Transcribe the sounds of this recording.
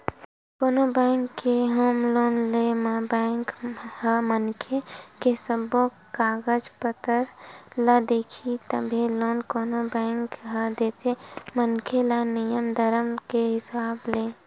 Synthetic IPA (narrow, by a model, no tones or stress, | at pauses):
koːnobɛ̃ːŋkːeɦoːmloːnlembɛ̃ːŋkhəmənkʰekesəbo | kaːɡəd͡ʒpət̪əɾləd̪eːkʰit̪əbʱeloːnkoːnobɛ̃ːŋkɦəd̪eːt̪emənkʰelənijəmd̪ʱəɾəmkeɦɪsaːbleː